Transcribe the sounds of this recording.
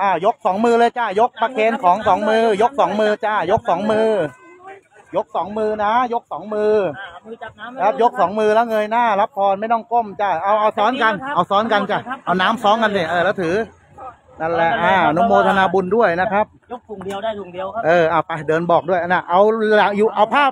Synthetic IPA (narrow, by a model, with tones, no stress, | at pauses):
ʔaː˧˩jo˦˥k̚sɔː˩˦ŋmɯː˧lɤː˧jt͡ɕa˧˩jo˦˥k̚pʰa˧kʰeː˧nkʰɔː˩˦ŋsɔː˩˦ŋmɯː˧jo˦˥k̚sɔː˩˦ŋmɯː˧t͡ɕaː˧˩jo˦˥k̚sɔː˩˦ŋmɯː˧ | jo˦˥k̚sɔː˩˦ŋmɯː˧na˦˥jo˦˥k̚sɔː˩˦ŋmɯː˧˨ | kʰa˦˥p̚jo˦˥k̚sɔː˩˦ŋmɯː˧lɛ˦˥wŋɤː˧jnaː˥˩la˦˥p̚t̪ʰɔː˧nma˥˩jt̪ɔ˥˩ŋko˥˩mt͡ɕa˧˩ʔa˧wʔa˧wsɔː˦˥nka˧nʔa˧wsɔː˦˥nka˧nt͡ɕa˧˩ʔa˧wnaː˦˥msɔː˦˥ŋka˧ni˧˩ʔɤː˧˩lɛ˦˥wt̪ʰɯː˩˦ | na˧˩lɛ˧˩ʔʔaː˧˩nu˦˥moː˧t̪ʰa˧naː˧bu˧ndu˥˩əjna˦˥kʰa˦˥p̚u˨˩˧ʔɤː˧˩ʔaː˧˩pa˧˩dɤː˧nbɔː˨˩k̚du˥˩əjʔa˧na˧˩ʔa˧wlaː˨˩˦juː˨˩ʔa˧wpʰaː˥˩p̚